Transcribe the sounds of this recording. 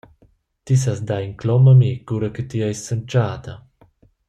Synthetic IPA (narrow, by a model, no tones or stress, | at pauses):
t̪is̬asd̪aiŋklɔmamikuːɾakət̪iajsːant͡ʃaːd̪a